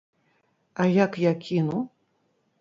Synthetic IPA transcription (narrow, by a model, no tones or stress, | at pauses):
ajakjakʲinu